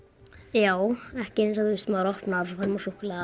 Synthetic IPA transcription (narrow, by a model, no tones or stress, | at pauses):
jaːwɛhcɪensaðɪst̪maːwɾɔhpnafɔfaɾmɔsuhkɪla